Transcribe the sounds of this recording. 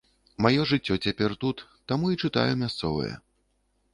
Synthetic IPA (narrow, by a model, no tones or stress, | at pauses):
majɔʐɨt͡sʲːɔt͡sʲapʲɛrt̪ut̪ːamuit͡ʂɨt̪a̰jumʲast̪sɔvɨ̰jɐ̰